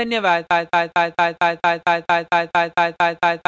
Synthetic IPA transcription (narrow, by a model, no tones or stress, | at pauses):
ənjəʋad̪t̪ajt̪ajt̪at̪ajt̪ajt̪at̪ajt̪ajt̪at̪ajt̪ajt̪ajt̪ajt̪